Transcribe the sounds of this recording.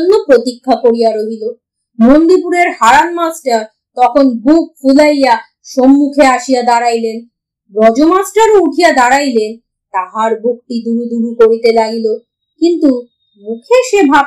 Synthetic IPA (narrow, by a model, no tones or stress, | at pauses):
nːopɾot̪ikʰːakoɾijaɾoɦilo | mond̪ipuɾeɾhaɾanmasʈaɾ | t̪ɔkʰonbuk̚fʰulaja | ʃomːukʰeaʃijad̪aɾajlen | bɾɔd͡ʑomasʈaɾouʈʰijad̪aɾajlen | t̪aɦaɾbuk̚ʈid̪uɾud̪uɾukoɾit̪elaɡilo | kint̪u | mukʰeʃebʱa